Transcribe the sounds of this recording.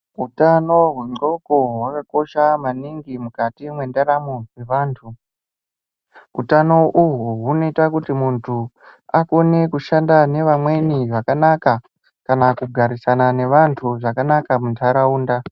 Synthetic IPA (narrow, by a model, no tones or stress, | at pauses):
utano̞ɦweŋ͡ǃo̞ko̞ɦwakako̞ʃamaniŋɡimukatimwe̞ndaɾamowe̞ʋaːntʰu | ṵtano̞ʔuɦuɦuno̞itakutimuntʰu | akone̞kuʃandane̞ʋamwe̞niʋakanaka | kanakuɡʱaɾisanane̞ʋantʰuʐakanakamuntʰaɾauːnda